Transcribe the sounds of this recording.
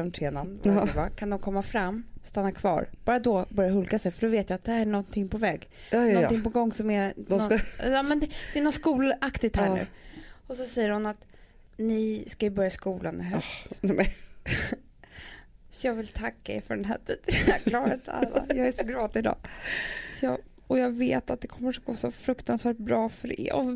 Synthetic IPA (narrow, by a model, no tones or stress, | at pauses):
ɔmt̪ʰeːnamvvakʰand̪ɔmkʰɔmːafɾamːst̪anːakʰvɑ̰ːɾb̥ɑːɾad̪ɔbœɾjaɦɵlkasɛjfœɖɔveːt̪jaat̪̚d̪ɛhæɾæɳɔnt̪ʰɪŋːpʰɔvɛːɡ | nɔnɪŋpɔɡɔŋːsɔmɛɔɑːmɛnd̪ɛd̪ɛɛnɔt̪skuːlakt̪ɪt̪hæl̰ɾɔsɔsɛjːəɾhʊnat̪ | nɪskajɵbœɾjaskuːlanɪ̰ɦœst̪ɛ | sɔjɑːɡvɪlt̪ʰakːaḛɾfœɖɛnɦæ̰ːʈʰiːd̪æklɑːɡat̪ʰa̰lːa̰jɑːɡæsɔɡɾɑːt̪ɪɪd̪ɑ̰ː | sɔjɑː | ɔjɑːɡveːt̪at̪̚d̪ɛkʰɔmːəʂɡoːsɔfɾɵkt̪ansvæːʈ̚bɾɑːfœɾ̰ɔ̰